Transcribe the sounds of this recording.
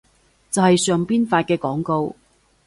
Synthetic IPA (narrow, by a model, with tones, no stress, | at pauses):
t͡sɐ˨whɐ˨jsœː˨ŋpiː˥nfaː˧t̚kɛː˧kɔː˨˥ŋko˧w